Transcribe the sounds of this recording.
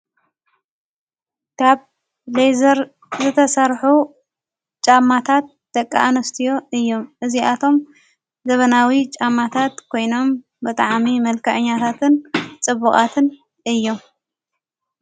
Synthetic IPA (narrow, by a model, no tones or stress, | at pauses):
kʰaβ | lejzɐɾ | zɨt̪ʰɐsɐɾħu | t͡ʃʼamːat̪ʰat̪̚d̪̥ɐkʼːa̰ʔanɐst̪ʰijo̞ɨjːo̞mʔɨziʔat̪ʰo̞m | zɐβɐnawit͡ʃʼamːat̪ʰat̪kʰo̞jno̞m | bɨt̪ʼaʕmimɐlkʰɐʕɨɲːat̪ʰat̪ʰɨnt͡sʼɨβːukʼa̰t̪ʰɨn | ɨjːom